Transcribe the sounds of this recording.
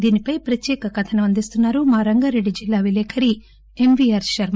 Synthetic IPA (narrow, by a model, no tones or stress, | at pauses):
d̪iːnipɐjpɾɐt̪jɛːkɐkɐt̪ʰɐnɐɐnd̪ist̪unːaːɾumaːɾɐŋɡaːɾe̞ɖːid͡ʒilːaːʋilɛːkʰɐɾi | emʋiaːɾʃɐɾm